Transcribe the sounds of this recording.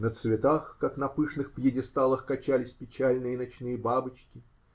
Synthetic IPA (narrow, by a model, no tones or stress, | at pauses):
nət̪svʲɪt̪axkaknɐpɨʂnɨxpjɪdʲɪst̪alˠəxkɐt͡ɕælʲɪsʲpʲɪt͡ɕælʲnɨjənɐt͡ɕnɨjəbabɨt͡ɕkʲɪ